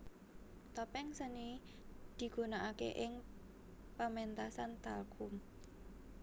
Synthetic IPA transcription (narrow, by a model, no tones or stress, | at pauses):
t̪ɔpɛŋsəni | d̪̥i̤ɡ̥ṳnaʔakḛʔɪŋ | pəmɛnt̪asant̪akʰum